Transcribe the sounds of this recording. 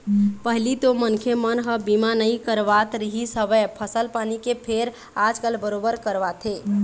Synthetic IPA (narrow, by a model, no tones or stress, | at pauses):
pəɦlit̪omənkʰemənɦəbimanəikəɾʋat̪ɾiɦisəbɛpʰəsəlpanikepʰeɾ | ad͡ʒkəlbəɾobəɾkəɾʋat̪ʰe